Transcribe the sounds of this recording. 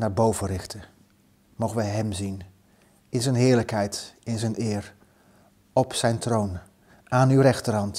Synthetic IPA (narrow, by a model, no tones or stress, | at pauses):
naːɹbowvərɪχtə | mowχəʋəɦɛmzin | ɪnzɛjnɦɪːɹləkɦɛjtɪnzɛjnɪːr | ɔpsɛjntrown | aːnywrɛχtərɦɑnt